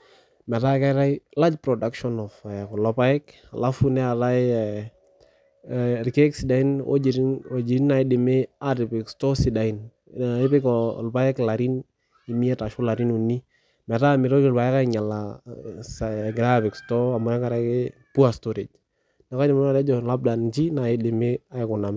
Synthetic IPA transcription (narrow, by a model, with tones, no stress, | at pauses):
mɛ˨ta˦kɛ˦ɾa˦jla˦d͡ʒpɾɔ˨da˦kʃɔ˦nɔ˨fɛ˨kɔ˨lɔpa˦ɪ˦k | a̰˨la˦funɛ˦a˨ɾa˦ɪ | ɾke˦ksi˨da˨i˦nɔ̰˦d͡ʒiɾo˨d͡ʒi˨ɾi˦na˨ɪ˦dɪ˨mɪ˦a˦ɾɪ˨pɪ˨kstɔ˦si˨da˨i˦n˨ | ɪ˦pɪ˦kɔlpa˦ɛ˦kla˨ɾi˦n | i˨mi˦ɛ˦ta˨ʃʊ˦la˨ɾi˦nu˨nːi˦ | mɛ˨ta˦˨mɪ˨ɾɔ˦ɪ˨lpa˨jɛ˦ka˦ɪ˨ɲa˨la˨saɡɾa˦bɪ˨kstɔ˦a˨mɔ˨jɛ˦ka˨ɾa˨kɪ˦pu˦a˨stɔɾe˨d͡ʒ | nɛ˨ka˦dɪ˨ma˦na˨ɾɛ˦d͡ʒɔ˨la˦b̚da˨nt͡ʃi˦na˨jɪ˦dɪ˨mɪ˦a˦ɪ˨kʊ˨na˨m